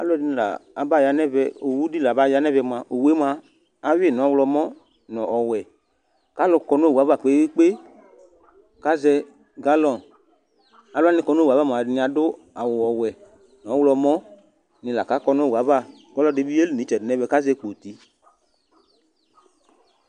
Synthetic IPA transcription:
a̰˦lʊ˦ɛ˦dɪ˦ñ˨la̰˨a˨ba˦˨ja˨nɛ˦vɛ˧o˨wu˦di˦la˨ba˦˨ja˦nɛ˦vɛ˧mã˨ʔo˨we˦mã˧ | a˨we˦˨nɔ̃˨˦wlɔ˧mɔ̃˦ | nɔ̃˨ʔɔ˨wɛ˨ | ka˦lɔ˧kɔ˨no˦˨u˨a˨˦va˦˨k͡pe˦i˦k͡pe˦ | ka˦zɛ˧ | ɡa˦lɔ˨ | a˨lʊ˦a˦nɪ̃˨kɔ˨no˦˨a˨va˦˨m˨a˨dnĩ˨a˨dʊ˦ | a˨wʊ˨ɔ˨wɛ˨ | nɔ̃˨˦wlɔ˧mɔ̃˦ | nɪ̃˨la˨ka˦kɔ˦no˦˨wa˨˦va˦˨ | ɡɔ˦lɔ̃˦de˨˦bi˦e˦li˨nĩ˨˦t͡ʃɛ˨dnɛ̃˦vɛ˦ka˦zɛ˧k͡po˨t̪i˨

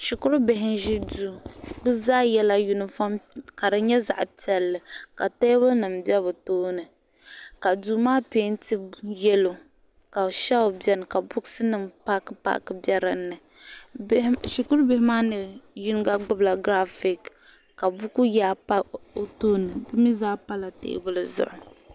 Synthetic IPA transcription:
ʃu˨kʊ˦ɾʊ˦bɪ˨ɦɪ˦nʒi˦duː˨bɨ˦zaː˦jɛ˦la˦ju˦nɨ˨fa˦mka˨dɨ˨ɲɛ˦za̰˨ʔpi˨ɛ˨lːɨ˨ka˨ta˦bʊ˦nɨ˨mbɛ˦bɨ˨toː˦nɨ˨ | ka˨duː˨˦maː˦peː˦n˦tɨ˦jɛ˦lo˨ | ka˨ʃa˦o˨bɛ˦nɨ˨ka˨bʊ˦ksɨ˦nɨ˨mpa˦kɨ˦pa̰˦ʔkɨ˦bɛ˦ɾɨ˨nːɨ˨˦ | ʃu˨kʊ˦ɾbɪ˦hɪ˦maː˦nɨ˨ju˦n˦ɡa˦ɡ͡bʊ˦bla˨ɡɾa˦fi˨k | ka˨bʊ˦ku˦jaː˦pa˦o˨toː˦nɨ˨dɨ˦mi˦zaː˦pa˦la˨tḛː˦bʊ˦lɨ˦zʊ̰˨ʔʊ˨

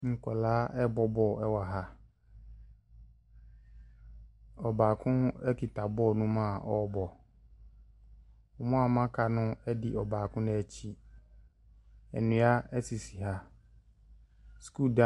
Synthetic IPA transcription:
ŋ̩˨kɔ˨laː˦ʔɛ˦bɔ˦bɔ˦˨ɛ˦wa˨ɦa˦ | ɔ˨baː˨kʰʊ̃˦ɛ˦ki˨ta˨bɔ˦˨nũ˦mã˦˨ʔɔ˦bɔ˨ | ɔ˨mɔ̃˦a˨mã˦kʰa˨nʊ̃˦ɛ˦dɪ˨ʔɔ˨baː˨kʰʊ̃˦ñ˦ɛ˦t͡ɕʰi˦ | ɛ̰˨nũ˨˦a˦ɛ˦si˨si˨ɦa˦ | sku˦˨da˦

